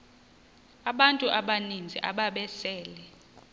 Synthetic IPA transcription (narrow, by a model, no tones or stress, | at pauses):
aɓantʼuʔaɓanind͡zʱḭʔaɓaɓɛsɛːlɛ